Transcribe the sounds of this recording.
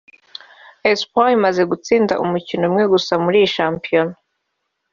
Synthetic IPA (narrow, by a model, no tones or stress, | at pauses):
espoimaze̞ɡut͡siːndaʔṵmucinomŋe̞ɡusamuɾiʃaːmpiono